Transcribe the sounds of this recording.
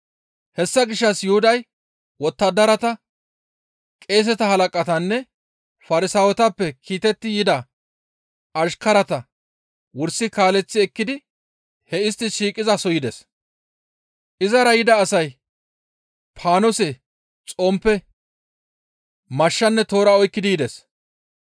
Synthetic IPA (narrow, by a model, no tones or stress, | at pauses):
hɛsːɐɡɪʃːɐsjʊhʊd̪ɐj | wɔt̪ːɐd̪ːɐɾɐt̪ɐ | kʼe̞ːs̬ɛt̪ɐhɐlɐkʼɐt̪ɐnːɛ | fɐɾɪsawɔt̪ɐpːɛkʰiːt̪ɛt̪ːɪjɪd̪ɐ | ɐʃkɐɾɐt̪ɐ | wʊɾsɪkaːlɛt͡sːɪɛkːɪd̪ɪ | hɛɪst̪ːɪʃiːkʼɪzɐsɔjɪd̪ɛs | ʔɪzɐɾɐjɪd̪ɐːsɐj | pʰaːnɔsɛ | t͡sʼɔmpːɛ | mɐʃːɐnːɛt̪o̞ːɾɐɔjkːɪd̪iːd̪ɛs